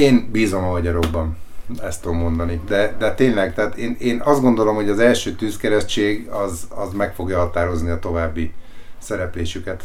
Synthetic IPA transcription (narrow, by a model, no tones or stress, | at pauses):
eːnbiːzo̞mɒɦɒɟɒɾo̞ɡːɒnɛst̪uomːo̞nd̪ɒnid̪ɛd̪ɛt̪eːnlɛɡt̪ɛaːt̪eːneːnɒzdɡo̞nd̪o̞lo̞mho̞ɟɒzɛlʃøːt̪yːskɛɾɛʃt͡ʃeːɡɒzɒzmɛkfo̞ɡjɒɦɒt̪aːɾo̞zniɒt̪o̞vaːbːisɛɾɛpleːʃykɛt̪